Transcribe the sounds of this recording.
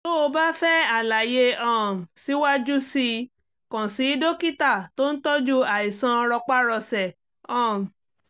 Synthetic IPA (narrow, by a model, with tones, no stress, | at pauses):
so˦o˧ba˦fɛ˦a˨la˨je˧ɔ̃˨si˨˦wa˦d͡ʒu˦si˧ | kã˨si˨˦do˦ki˦ta˦˨to˦n̩˦tɔ˦d͡ʒu˦a˨i˨sã˧ɔ˧ɾɔ˧k͡pa˦ɾɔ˧sɛ˨ | ɔ̃˦˨